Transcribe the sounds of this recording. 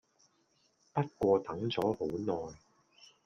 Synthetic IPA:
pɐ˥t̚kʷɔː˧t̪ɐ˨˥ŋt͡sɔː˨˥ho˨˥wnɔː˨j

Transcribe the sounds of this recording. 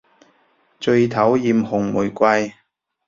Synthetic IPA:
t͡ʃɵ˧ɥt̪ʰɐ˨˥wjiː˨mhʊ˨˩ŋmu˨˩jkʷɐ˧j

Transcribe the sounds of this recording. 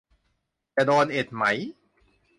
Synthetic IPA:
t͡ɕa˨˩doː˧nʔe˨˩t̪̚ma˦˥j

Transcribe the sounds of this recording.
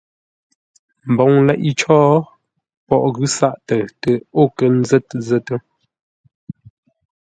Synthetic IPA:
m̩˨bɔ˨ŋlɛ˦ʔi˦t͡ʃɔː˦ | pɔ˦˨ʔɣʉ˦sa˦˨ʔtə˨tə˨o˦˨kə˨˦n̩˦zɛ˦tzə˦tə˦

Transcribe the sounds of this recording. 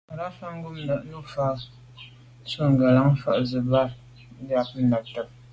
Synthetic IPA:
a˨ɾa˦fa˦m˦bu˦m˦na˨ʔnu˦fa˦ | so˦ŋ˨ɡa˨la˨˦ŋ˦fa̰˨ʔzɨ˨ba˦˨˦ | da˨pn̩˦na˨tɨ˨p̚

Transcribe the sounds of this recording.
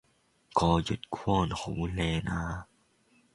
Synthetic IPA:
kɔː˧˩t͡ɕu˨˩t̪̚kʰu˥˩˨nhuː˨˦lɛː˧˩naː˧˩

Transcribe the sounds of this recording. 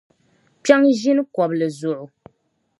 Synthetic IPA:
pa˦ŋʒi˦nɨ˦kɔ˨blɨ˨zʊ˨ʔʊ˨

